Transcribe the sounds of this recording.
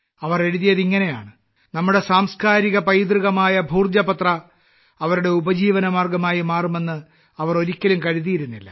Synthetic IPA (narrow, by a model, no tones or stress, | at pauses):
ɐʋɐre̞ɻuðijɐðiŋːɐne̞ja̰ːɳɨ | nɐmːuɽe̞saːmskaːɾiɣɐpɐjd̪riɣɐmaːjɐbʱuːrd͡ʑɐbɐt̪rɐ | ɐʋɐɾuɽe̞ubɐd͡ʑiːʋɐnɐmaːrɡɐmaːjimaːrume̞nːɨ | ɐʋɐro̞ɾikʲːɐlumkɐɻuðijiɾunːilːɐ